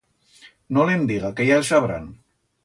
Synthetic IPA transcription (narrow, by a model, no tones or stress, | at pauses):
nolemd̪iɣakejalsaβɾa̰n